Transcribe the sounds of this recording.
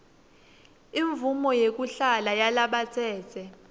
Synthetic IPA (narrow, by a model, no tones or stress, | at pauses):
iɱvumɔjek̬ʼuɬalajalaɓat͡sʰɛːt͡sʰɛ